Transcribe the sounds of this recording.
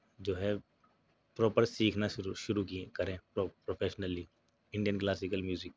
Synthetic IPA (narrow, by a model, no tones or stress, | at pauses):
d͡ʒoːɦɛ | pɾɔːpəɾsiːkʰnaʃʊɾukikɐɾẽɾopɾoːpʰeːʃnəli | ɪ̃ɳɖijənklaːsɪkəlmjuːzɪk̚